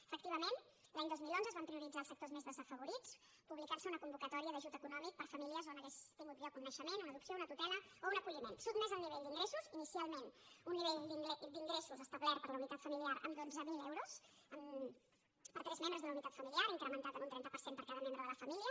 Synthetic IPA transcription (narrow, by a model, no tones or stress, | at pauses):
əfəkt̪iβ̞əmen | laɲd̪ozmilˠonzəzβampɾiuɾid͡zaːlˠsək̚t̪ozmezðəzəfəβuɾit͡s | puβlikaɾsəunəkumbukət̪ɔɾiəðəʒut̪əkunɔmik̚pəɾfəmiliəzonəɣɛst̪iŋɡut̪blɔkunːəʃəmenunəðupsiounət̪ut̪ɛlə | ounəkuʎimensut̪mɛzəlniβeʎd̪iŋɡɾesuzinisialˠmenunːiβeʎd̪iŋd̪iŋɡɾesuzəst̪əβlɛɾpəɾləunit̪at̪fəmiliaɾə̰md̪onzəmilɛwɾusəm | pəɾt̪ɾɛzmembɾəzðunəunit̪at̪fəmiliaɾiŋkɾəmənt̪at̪əmunt̪ɾɛnt̪əpəɾsempəɾkaðəmembɾəðələfəmiliə